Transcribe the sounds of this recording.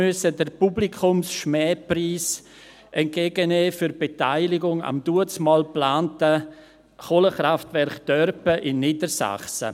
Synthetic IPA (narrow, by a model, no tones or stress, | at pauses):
ʏsədəɾpublikʰʊmsʃmɛːpriːs | ʔɛnt̚ɡeːɡəneːfyɾbetaɪlɪɡʊŋa̰md̥uət͡smɑːlplaːntə | χoːləχɾaftvɛɾχd̥œɾpəʔɪnːiːdəɾsa̰χsə̰